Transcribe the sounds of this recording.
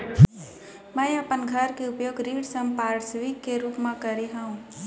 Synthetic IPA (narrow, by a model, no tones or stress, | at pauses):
mə̃jəpənɡʱəɾkeʊpjoːɡɾiːɽsə̃mpaːɾɖsʋikːeɾuːpmãkəɾiɦəũ